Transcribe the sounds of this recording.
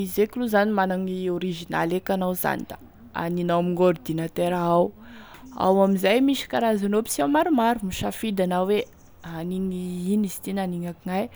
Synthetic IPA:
izekluzanimanaŋioɾiʒina̰lekanawza̰nid̪a̰ | a̰ninawamiŋord̪inat̪eɾaaw | a̰wamizajmiʃi̥kaɾazanopi̥siawmaɾumaɾumiʃafid̪anawwe | aniŋiinizi̥t̪inaniŋakiŋaj

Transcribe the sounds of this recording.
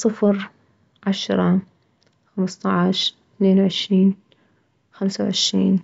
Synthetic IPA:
sˤɨfɾ | ʕaʃɾˤɑ | xamst̪ˤɑʕʃ | θneːnwʕɪʃɾiːn | xamsawʕɪʃɾḭːn

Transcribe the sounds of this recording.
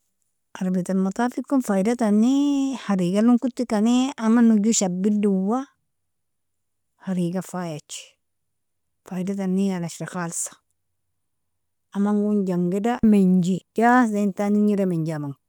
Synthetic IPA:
ʔaɾbitalmat̪ˤafikːunfaidatanːihaɾiːɡalunkut̪ːikaneamanuɟuʃabːilduwa | haɾiɡafajat͡ʃi̥ | faidat̬anːianaʃɾaxalsḁ | amaŋɡund͡ʒaŋɡedameɲd͡ʒid͡ʒazantaniɲidameɲd͡ʒamaŋ

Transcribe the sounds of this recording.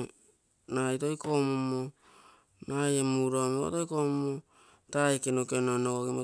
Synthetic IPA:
najto̞jko̞momo | najemuɾomeo̰tojkomomo | taekenokenonoɡoɡemo

